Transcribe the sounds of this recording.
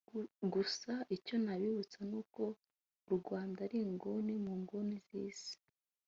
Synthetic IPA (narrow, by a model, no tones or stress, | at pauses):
ɡusaʔico̞naβiβut͡sanuːko̞ | ɾuɡwaːndaɾiːŋɡonimuːŋɡonizḭːz̥i̥